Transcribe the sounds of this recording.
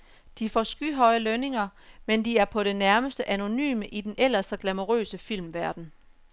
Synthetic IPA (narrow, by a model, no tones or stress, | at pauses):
d̥ifɒ̰sɡ̥yɦɒ̽ɪəløne̝ŋɐmend̥iæɐpʰɒ̽ɾ̥e̝næɐməsd̥əʔæno̝ny̰ːməʔid̥enʔel̰ɐsd̥ɒɡ̥læmo̝ʁø̰ːsəfil̰mʋæɐd̥n̩